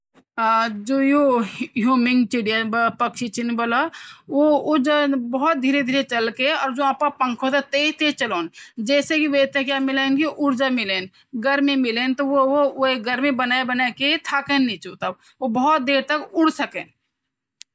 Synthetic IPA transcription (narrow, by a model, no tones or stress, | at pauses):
d͡ʒojoɦjuːmɪ̃ŋɡt͡ʃɪɽijabpəkʃit͡ʃinbəlaʋoʊɾd͡ʒabəɦɔt̪̚d̪ʱiːɾed̪ʱiːɾet͡ʃəlkeɔːɾd͡ʒoapapə̃ŋkʰot̪at̪eːt̪et͡ʃəloːnd͡ʒɛːsekiʋeːt̪ẽkjamɪlenkiʔʊɾd͡ʒamɪleːn | ɡəɾmimɪlent̪oʋoeɡəɾmibənaːebənaket̪ʰaːkenːĩt͡ʃut̪a | obəɦʊt̪̚d̪eːɾt̪əkʊɽsəkeːn